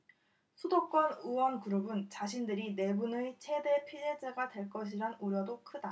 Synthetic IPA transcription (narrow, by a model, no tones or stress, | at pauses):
sʰudok͈wʌnuwʌnkuɾɯbɯnt͡ɕaɕʰindɯɾine̞bunɯt͡ɕʰe̞de̞pʰied͡ʑeɡadwe̞ɭk͈ʌɕ̬ʰiɾanuɾjʌdokʰɯda